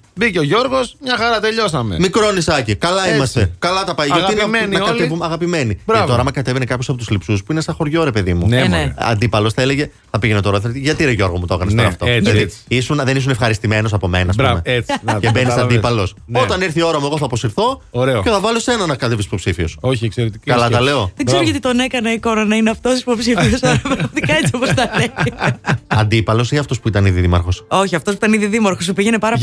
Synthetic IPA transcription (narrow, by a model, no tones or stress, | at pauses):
biceoʝo̞ɾɣo̞smɲɐxɐɾɐt̪e̞ʎo̞sɐmḛmikɾo̞nisɐcikɐlɐimɐst̪ekɐlɐt̪ɐpɐjoiennɐoɐlevumɐɣɐpime̞nibɾɐɐt̪oɾɐmɐkɐt̪evenekɐpços̬ɐpot̪uzlipsuspuinesɐxo̞ɾʝo̞ɾe̞pe̞ðimunɐ̰nd̪ipɐlo̞sθɐeleʝe̞ | θɐpiʝenet̪oɾoθeɾt̪iʝɐt̪iɾeʝo̞ɾɣomut̪oɣɐnɐst̪oɾɐɐft̪oilɐðiisunðenis̬une̞fxɐɾist̪ime̞no̞s̬ɐpo̞me̞nɐsmeet͡scebenissɐdipɐlo̞s | ot̪ɐniɾθio̞ɾɐmueɣo̞θɐposiɾθo̞oɾeoceθɐvɐlosenɐnɐkɐt̪evisipo̞psifiosoçiekseɾet̪ikɐlɐt̪ɐleoðeɡzeɾoʝɐt̪it̪o̞ne̞kɐnɐikonɐnɐineɐft̪osisipo̞psiiosɐɾɐvɐft̪ikɐet͡siopost̪ɐle | ɐnd̪ipɐlo̞siɐft̪o̞spuit̪ɐniðiðimɐ̰ɾxo̞so̞çiɐft̪os̬puit̪ɐniðiðimɐɾxos̬upiʝenepɐɾɐ